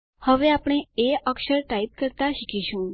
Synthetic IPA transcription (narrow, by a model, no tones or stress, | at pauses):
həʋeapɽ̃eeʔəkʃəɾʈaip̚kəɾt̪aʃikʰiʃũ